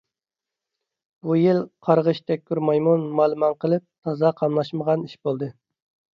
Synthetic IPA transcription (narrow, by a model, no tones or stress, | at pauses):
b̥ujilqʰɑɾʁəʃt̪ʰɛkʲʰːyɾmɑjmunmɑːlˠɨmɑŋqʰəlˠɨp̚t̪ʰɑzɑqʰɑmlˠɑʃməʁɑniʃbolˠd̪ɨ